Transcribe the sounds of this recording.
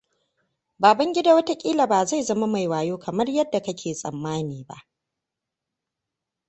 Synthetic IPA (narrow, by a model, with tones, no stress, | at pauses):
baː˨bɐ˦ŋɡʲɪ˦da˨wɐ˦ta˦kʲʼiː˦la˨baː˨za˦˨jzɐ˦ma˦ma˨jwaː˨joː˦kʰɐ˨mɐ˦rjɐ˦dːa˨kɐ˦kʲʰeː˨sʼɐ̰˨mːaː˦niː˨ba̰˦˨ʔ